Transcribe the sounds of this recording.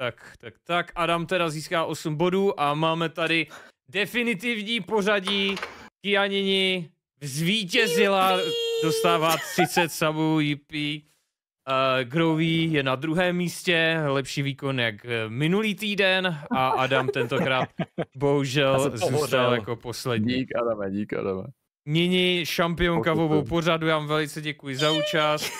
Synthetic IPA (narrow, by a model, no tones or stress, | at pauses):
t̪akt̪ak̚t̪akʔadamt̪ɛɾaziːskaːʔo̞smbo̞duːʔamaːmɛt̪adɪ | dɛfɪnɪt̪ɪvɲiːpo̞raɟiːkɪjaɲɪɲɪ | vzviːcɛzɪlado̞st̪aːvaːt̪r̥ɪt͡sɛt̪sabujɪpi | ɡɾowviːjɛnad̪ɾuɦɛːmːiːscɛlɛpʃiːviːko̞njakmɪnuliːt̪iːdɛnaʔadamt̪ɛnt̪o̞kɾaːt̪̚bo̞ɦuʒɛlzuːst̪aljakopo̞slɛd̪ɲiikadamɛika̰damɛ̰ | ɲɪɲɪʃampɪoŋkavovowpo̞radujaːmvɛlɪt͡sɛɟɛkujɪzauːt͡ʃast̪̚